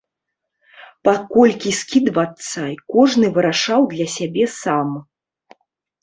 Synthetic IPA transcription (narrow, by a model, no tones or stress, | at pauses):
pakɔlʲkʲiskʲid̪vɐt̪sːɐikɔʐnɨvɨɾaʂawd̪lʲɐsʲabʲɛsam